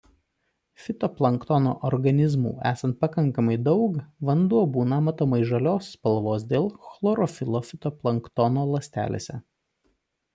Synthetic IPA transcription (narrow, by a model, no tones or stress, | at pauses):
fʲɪt̪ɔplˠɐŋkt̪ɔno̰ːʔɔɾɡɐnʲɪzmṵːæːsɐnt̪̚pɐkɐŋkɐmɐɪd̪ɒʊkʋɐnd̪uɔbuːnɐmɐt̪oːmɐɪʒɐlʲoːsːpɐlˠʋoːsd̪ʲeːlˠxlˠɔɾɔfʲɪlˠoːfʲɪt̪ɔplˠɐŋkt̪ɔnoːlˠɐsʲt̪ʲæ̰ːlʲḛːsʲɛ̰